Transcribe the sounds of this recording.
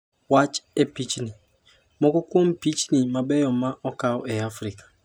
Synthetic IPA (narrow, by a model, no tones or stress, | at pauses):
wat͡ʃepit͡ʃnɪ̃ | mɔkʊkʊɔ̃m̩pit͡ʃnɪ̃mãbɛjɔmãʔɔkaɔɛafɾɪkʰḁ